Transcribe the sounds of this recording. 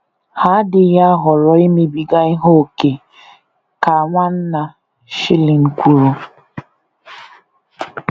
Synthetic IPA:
ha˨˦dɪ˨ja˦ɦɔ˨ɾɔ˦i˦me˦bi˨ɡa˦ɪ˦ɦo˦˨ke˨ | ka˨ŋʷa˦n̩˦na˨ | ʃɪ˦lɪ˨ŋ̩˦kʷu˦ɾu˦

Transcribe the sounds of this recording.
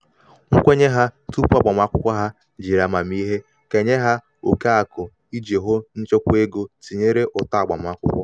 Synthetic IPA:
ŋ̩˦kʷe˦ɲe˦ɦa˦tu˦pu˦a˦˨ɡ͡ba˨m˨a˦kʷʊ˦kʷa˦ɦa˦ | d͡ʒi˨ɾa˨ma˨m˦i˦ɦe˦ | ke˨ɲe˦ɦa˦ | o˨ka˦a˨kʊ˨ | i˦d͡ʒe˨ɦʊ˦n̩˦t͡ʃo˦kʷe˦ɡo˦ti˨ɲe˦ɾe˦ʔʊ˨ta˨ɡ͡ba˨m˨a˦kʷʊ̰˦kʷɔ˦

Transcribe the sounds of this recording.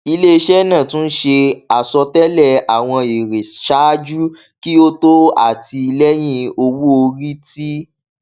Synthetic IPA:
i˧le˦i˧ʃɛ˦nãː˦˨tũ˦n̩˦ʃe˧a˨sɔ˧tɛ˦lɛ˦˨a˨w̃ɔ̃˧e˨ɾe˨ʃa˦d͡ʒu˦ | ki˦o˦to˦a̰˦˨ti˧i˧lɛ˦j̃ĩ˦o˧wu˦o˧ɾi˦ti˦

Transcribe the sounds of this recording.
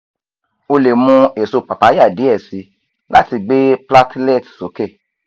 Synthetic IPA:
o˧le˨mũ˧e˨so˧pa˨pa˨˦ja˦˨di˨˦ɛ˦˨si˨˦ | la˦ti˧ɡ͡be˦pla˦tlɛ˦˨tso˨˦kɛ˦˨

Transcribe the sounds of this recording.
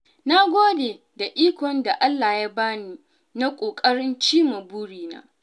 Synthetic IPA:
na˦ɡʷoː˦de˨ | da˨ʔiː˦kʷɔ˨nda˨ʔa˦lːa˨ja˦baː˦niː˦ | na˦kʷʼoː˨kʼɐ˦ɽɪ˦nt͡ʃiː˦mu˨buː˦ɽiː˨na̰ː˦

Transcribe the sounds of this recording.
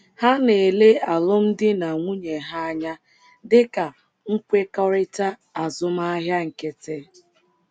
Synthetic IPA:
ha˦ne˨le˦a˨lʊ˦m̩˦dɪ˦na˨ŋʷu˦ɲe˨ɦa˦a˦ɲa˦ | dɪ˦ka˨ | ŋ̩˦kʷe˦kɔ˦ɾɪ˦ta˦ | a˨zʊ˦ma˦ɦja˦ŋ̩˨ke˦te˦

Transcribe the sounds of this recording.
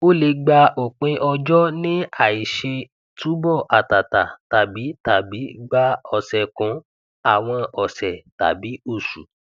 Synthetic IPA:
o˦le˧˦ɡ͡ba˧o˨k͡pẽ˧˦ʔɔ˧d͡ʒɔ˦nĩ˦a˦˨i˨ʃe˧ | tũ˨˦bɔ˦˨ʔa˨ta˨ta̰˨ta˨bi˨˦ta˨bi˨˦ɡ͡ba˦ɔ˧˨sɛ˨kɔ̃˨˦ | a˦˨w̃ɔ̃˧ɔ˨sɛ˨ta̰˨bi˨˦o˦˨ʃṵ˨

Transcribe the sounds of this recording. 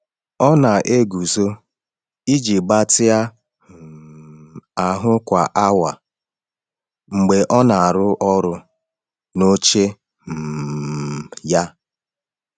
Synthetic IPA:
ɔ˦na˨ʔe˦ɡu˨zo˦ | i˦d͡ʒi˨ɡ͡ba˦tɪ˦a˦˨ | a˨ɦʊ˦kʷa˨ʔa˦wa˨ | ŋ͡m̩˨ɡ͡be˨ʔɔ˦na˨a˨ɾʊ˦ʔɔ˦ɾʊ˦ | no˦t͡ʃe˦ | m̩˨ja˦

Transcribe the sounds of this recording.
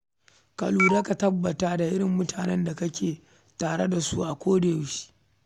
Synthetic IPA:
ka̰˨luː˨da˦ka˨tɐ˦bːɐ˨taː˦da˨ʔɪ˦ɽɪ˨mːʊ˦tʰaː˨nɛ˦nda˨kɐ˦kʲeː˨ | taː˨ɽe˦da˨su˦ʔa˨kʷoː˦de˨jʃi̥˦

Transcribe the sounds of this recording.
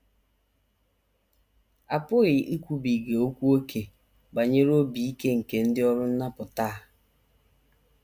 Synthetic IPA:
a˨pʊ˦ɣɪ˨ʔi˦kʷu˦bi˨ɡe˨o˦kʷu˦o˦kʰe˨ | ba˨ɲe˦ɾo˦bi˨i˦ke˦ŋ̩˨ke˨n̩˦dɪ˦ɔ˦ɾʊ˦n̩˦na˦pʊ˨ta˦˨

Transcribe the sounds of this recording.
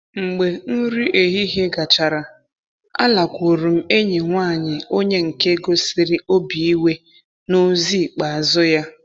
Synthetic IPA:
ŋ͡m̩˨ɡ͡be˨n̩˦ɾi˦ʔe˨ɦi˦ɦe˦ɡa˨t͡ʃa˨ɾa˨ | a̰˦la˨kʷo˨ɾu˨m̩˦e˦ɲe˨ŋʷa˦˨ɲɪ˨o˦ɲe˦ŋ̩˨ke˦ɡo˦si˨˦ɾi˦o˦bi˨i˦we˦ | no˦zi˦˨k͡pa˨a˨zʊ˦ja˦

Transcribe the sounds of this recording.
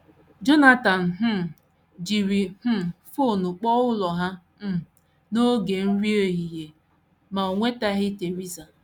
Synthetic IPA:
d͡ʒo˦na˦ta˨n̩˨ɦ̩˦˨ | d͡ʒi˨ɾi˨h̩˦˨fo˦˨nʊ˨k͡pɔ˦ʊ˦lɔ˨ɦa˦ | m̩˦˨ | no˦ɡe˨n̩˦ɾi˦e˦ɦi˨je˨ | ma˨o˨ŋʷe˦ta˦ɦɪ˦te˨ɾi˦za˨

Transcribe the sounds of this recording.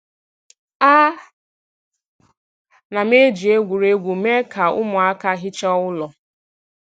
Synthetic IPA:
a˦ | na˨me˦d͡ʒi˨e˦ɡʷu˨ɾe˦ɡʷu˨me˦ka˨ʊ̰˦mʊ˨a˦ka˦ɦɪ˦t͡ʃe˦ɔ˦ʊ˦lɔ˨

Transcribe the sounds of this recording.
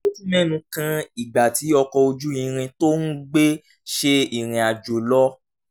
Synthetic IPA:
o˦tu˦mɛ̃˦˨nũ˧kã˧i˨ɡ͡ba˨ti˨˦ɔ˧kɔ˧o˧d͡ʒu˦ĩ˧ɾ̃ĩ˧to˦n̩˦ɡ͡be˦ | ʃe˧i˨ɾ̃ĩ˨a˨d͡ʒo˨lɔ˦

